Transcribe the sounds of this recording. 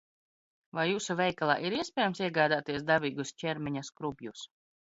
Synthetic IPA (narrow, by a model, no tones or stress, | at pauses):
vajːuːsuvʲɛjkalˠa̰ːʔiɾiɛspʲɛːjamsiɛɡaːd̪aːt̪iɛsd̪aviːɡust͡ʃʲɛɾmʲɛɲaskɾubjus